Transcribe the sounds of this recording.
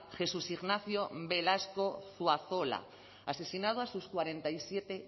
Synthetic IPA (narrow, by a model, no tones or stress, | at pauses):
xe̞susiɣnaθjobe̞lasko̞θwaθo̞la̰ | ase̞sinað̞oasuskwaɾe̞nt̪aisje̞t̪e̞